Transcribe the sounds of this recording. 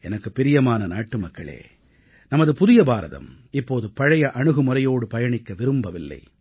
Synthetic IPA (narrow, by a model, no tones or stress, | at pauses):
ɛnɐkːɯpːɪɾɪjɐmaːnɐnaːʈːɯmɐkːɐɭḛː | nɐmɐðɯpʊðɪjɐbaːɾɐ̰ðɐ̰m | ɪpːoːðɯpɐɻɐjɐʔɐɳɯɣɯmʊɾɐjoːɽɯpɐjɐɳɪkːɐʋɪɾɯmbɐʋɪlːɐ̰ɪ